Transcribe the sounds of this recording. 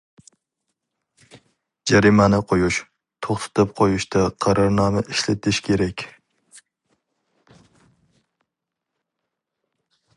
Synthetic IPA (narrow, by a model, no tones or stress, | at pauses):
d͡ʒæɾimænɪqʰojuʃ | t̪ʰoχt̪ʰɨ̥t̪ɨp̚qʰojuʃt̪ʰaqʰɑɾɑɾnɑmaʔiʃlɪt̪ʰɪʃkʲʰeɾɛkʲ